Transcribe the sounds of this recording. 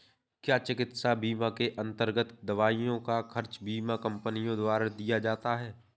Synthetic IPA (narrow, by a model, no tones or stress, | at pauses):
kjaːt͡ʃɪkɪt̪sabiːmakeʔɐ̃nt̪əɾɡət̪d̪ɐʋaːijõkaxʰɐɾt͡ʃbiːmakɐ̃mpənijõd̪waːɾad̪ijad͡ʒaːt̪aɦɛː